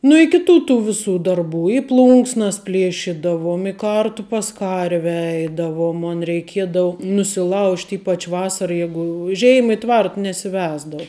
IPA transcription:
nʊ ɪ kʲɪˈtuː tuː ʋʲɪˈsuː dɐrˈbuː ɪ ˈplˠʊŋksnɐs ˈpʲlʲeːʃʲɪdɐʋoːm ɪ ˈkɐrtʊ pɐs ˈkɐrʲʋʲɛ ˈɛɪdɐʋoːm ˈmoːn rʲɛɪˈkʲiɛdɐʋʊ nʊsʲɪˈlˠɐʊʃʲtʲ ˈiːpɐt͡ʃ ˈʋɑːsɐrɐ ˈjæːɡʊ ʊ ˈʒʲɛɪmɐ ɪ ˈtʋɐrt nʲɛsʲɪˈʋʲæːzdɐw

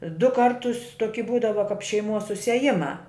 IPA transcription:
dʊ ˈkɐrtʊs toːˈkʲɪ ˈbuːdɐʋɐ kɐp ʃʲɛɪˈmuɔs sʊsʲiɛˈjɪmɑː

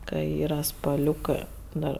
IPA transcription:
kɐ ˈiːrɐ spɐˈlʲuːkɜ ˈdɐr

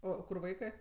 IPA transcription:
ˈoː ˈkʊr ˈʋɐɪkɜ

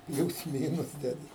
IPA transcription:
ˈpʲlʲuːs ˈmʲiːnʊs ˈdʲæːdʲɪ

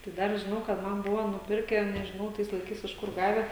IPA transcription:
tɐɪ ˈdɐr ʒʲɪˈnɐʊ kɐt ˈmɐn ˈbʊʋoː nʊˈpʲɪrʲkʲɛ nʲɛʒʲɪˈnɐʊ ˈtɐɪs lˠɐɪˈkɐɪs ɪʃ ˈkʊr ˈɡɑːʋʲɛ

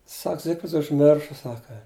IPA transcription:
ˈsɐk ˈzʲɪkfʲrʲɪts ʊʒʲˈmʲɪrʃɐ ˈsɑːkɐ

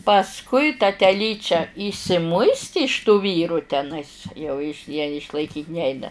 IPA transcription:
pɐsˈkʊɪ tɐ tʲɛˈlʲiːt͡ʃʲɛ iːʃʲsʲɪˈmʊɪsʲtʲɪ ɪʃ tuː ˈʋʲiːruː tʲɛˈnɐɪs jɛʊ ɪʃ jɛ ɪʃlˠɐɪˈkʲiːtʲ ˈnʲɛɪnɐ

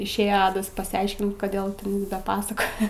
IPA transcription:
ɪʃʲˈeːjɛ ˈɑːdɐs pɐsʲɪˈɐɪʃʲkʲɪnt ˈkoːdʲeːlˠ tʲɛn ˈdɐ ˈpɑːsɐkoːjɛ

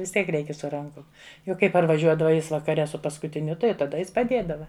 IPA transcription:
ʋʲɪs ˈtʲiɛk ˈrʲɛɪkʲɛ sʊ ˈrɐŋkʊm ˈjɛʊ ˈkɐɪ pɐrʋɐˈʒʲuɔdɐʋɐ ˈjɪs ʋɐkɐˈrʲɛ sʊ pɐskʊtʲɪˈnʲʊ ˈtɐɪ jɛʊ tɐˈdɐ ˈjɪs pɐˈdʲeːdɐʋɐ

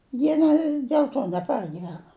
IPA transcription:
ˈjiɛ nʲɛ dʲeːlˠ ˈtoː nʲɛˈpɐrʲɡʲɪʋʲɛnɐ

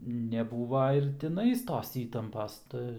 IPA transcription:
nʲɛˈbuːʋɐ ɪr tʲɪˈnɐɪs ˈtoːs ˈiːtɐmpɐs ˈtɐ

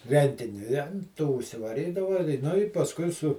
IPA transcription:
ˈrʲɛnʲtʲɪnʲɪ ɪ ɐn ˈtoː ʊʃʲsʲɪʋɐˈrʲiːdɐʋɐ ɪ ˈnʊ ɪ pɐsˈkʊɪ sʊ

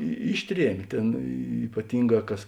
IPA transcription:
ɪ ˈɪʃʲˌtʲrʲiɛmʲ ˈtʲeːn iːpɐˈtʲɪŋˌɡɑː ˈkɐs

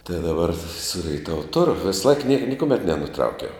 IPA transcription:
tɐɪ dɐˈbɐr sʊ rʲɛɪˈtɑːʋʊ ˈtʊrʊ ˈʋʲeːsˌlˠɐɪk nʲiɛk nʲɪkʊˈmʲɛt nʲɛnʊˈtrɐʊkʲɛʊ

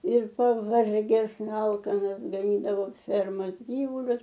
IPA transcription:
ɪr pɐˈʋɐrʲɡʲɛs ˈɐlˠkɐnɐs ɡɐˈnʲiːdɐʋoː ˈfʲɛrmoːs ˈɡʲiːʋʊlʲʊs

